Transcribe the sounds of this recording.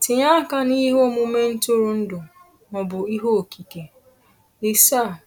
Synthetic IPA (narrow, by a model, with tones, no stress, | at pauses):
tɪ˨ɲa˦ka˦ni˦ɦo˦o˦mu˦me˦n̩˦tʊ˦ɾʊ˨n̩˦dʊ˨ | nɔ˨bʊ˨i˦ɦo˦o˨kʰi˨ke˨ | ɪ˦sa˦˨